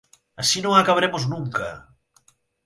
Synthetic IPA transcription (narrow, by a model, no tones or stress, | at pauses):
ɐsinõŋakaβɾemoznũŋkɐ